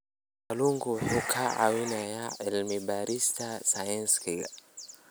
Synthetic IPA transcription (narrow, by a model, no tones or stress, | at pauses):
aluŋɡuhukʰaa̰winajaɛlmibaɾʔistasaɛnskiɡa